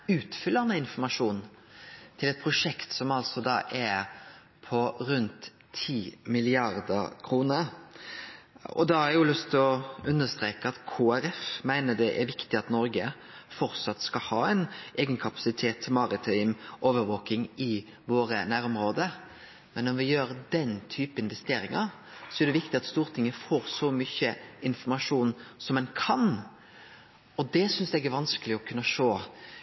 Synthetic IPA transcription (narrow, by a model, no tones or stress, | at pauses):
ʉːt̪fʏlːənəɪnfɔmɑʂuːn | t̪ʰɪlɛt̪̚pʰɾʊʂɛkt̪sɔmɑlsɔd̪ɑ̰ːʔɛ | pʰɔɾʉnt̪ʰː | iːmɪlɪɑɾd̪ə̰kʰɾuːnəɾ | ɔ̰d̪ɑhɑɾɛɾjʊlʉst̪ʰɔʉnːəst̪ɾeːkəɑt̪kʰoːæɾɛfmæɪnəd̪ɛʔæɾʋɪkt̪ɪɑt̪nɔɾɡə | fɔɾt̪sɑt̪ːskɑhɑːɛɪnʔeːɡənkʰɑpɑ̥sɪt̪ʰeːt̪ʰːɪlmɑːɾɪt̪ʰɪmʔoːʋəɾʋoːkɪŋɪ | ʋoːɾənæːɾʊmɾoːd̪ə | mɛnːɔɾʋɪjøːɾd̪ɛnt̪ʰyːpəɪnʋɛst̪eːɾɪŋɑɾ | sɔɛɾɖ̪ɛʋɪkt̪ɪɑt̪st̪uːɾt̪ʰɪŋːəfoːɾsɔmyçəɪnfɔɾmɑʂuːnsɔmɛnkʰɑn | ɔd̪ɛsʏnsɛɡæɾʋɑnskəlɪɔkʰʉnːəʂoː